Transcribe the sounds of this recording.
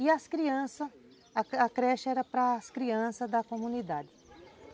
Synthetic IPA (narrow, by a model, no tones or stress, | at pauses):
iɐskɾiɐ̃sɐ | ɐkɾɛʃɐɛɾɐpɾɐːskɾiɐ̃sɐd̪ɐkomũnid̪ad̪ɪ